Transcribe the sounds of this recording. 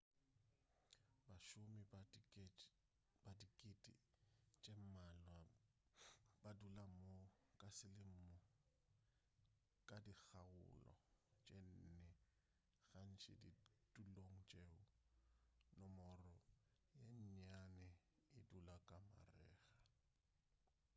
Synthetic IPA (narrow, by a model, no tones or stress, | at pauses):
baʃʊmɪ | badikʼɪtʼḭt͡ʃʼem̩malwa | badulamokʼasɪlɪm̩mɔ | kʼadik͡xʰaʊ̰lɔ̰t͡ʃʼen̩nɛ | ɣan̩t͡ʃʼɪ̰didʼuloŋ̩t͡ʃʼeʊ | nɔmɔrɔ | jeɲɲanɛ | ɪdulakʼama̰rɛ̰ːɣḁ